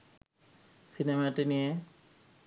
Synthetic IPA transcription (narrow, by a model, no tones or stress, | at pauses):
sinemaʈinie